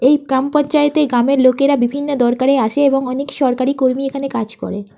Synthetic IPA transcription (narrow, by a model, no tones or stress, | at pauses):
ejɡɾampɔnt͡ɕaet̪eɡɾameɾlokeɾabibʱinːod̪ɔɾkaɾeaʃeeboŋɔnekʃɔɾkaɾikoɾmiekʰanekad͡ʑkɔ̰ɾe